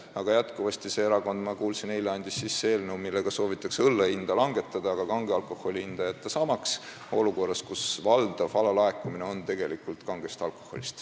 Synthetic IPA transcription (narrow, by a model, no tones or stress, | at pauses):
ɑɡ̥ɑjæt̪kuvɑst̪ise̞eɾɑko̞nd̪mɑkuːlsineleɑnʲd̪isːisːe̞ːlnewmilːeɡ̥ɑso̞ːvit̪ːˑɑkseɤlːeind̪̥ɑlɑŋɡ̥e̞t̪ːˑɑd̪̥ɑɑɡ̥ɑkɑŋɡ̥eɑlkˑo̞hˑo̞lʲiind̪̥ɑjɑt̪ːˑesɑmɑks | o̞luko̞rːɑskusvɑld̪̥ɑvɑlɑlɑe̞kːˑumine̞o̞nt̪e̞ɡ̥e̞likˑult̪kɑŋɡ̥est̪ɑlko̞̥ho̞̰lʲist̪